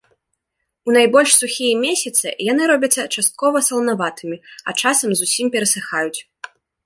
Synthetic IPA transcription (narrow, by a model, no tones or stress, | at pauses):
unajbɔlʲʂsuxʲijɛmʲesʲɐt̪sɨ̰janɨɾɔbʲɐt̪sːɐt͡ʂast̪̚kɔvɐsɐlˠnavat̪ɨmʲiɐ̰t͡ʂasɐmzusʲimpʲɛɾɐsɨxajut͡sʲ